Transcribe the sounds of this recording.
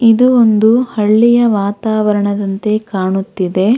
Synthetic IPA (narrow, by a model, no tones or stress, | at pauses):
id̪uond̪uhɐɭːijɐʋaːt̪aːʋɐɾɐɳɐd̪ɐnt̪e̞kaːɳut̪ːid̪e̞